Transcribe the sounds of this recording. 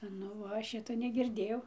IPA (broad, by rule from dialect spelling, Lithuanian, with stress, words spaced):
ˈnʊ ˈʋɐ ˈʃʲɪtoː nʲɛɡʲɪrʲˈdʲeːjɛʊ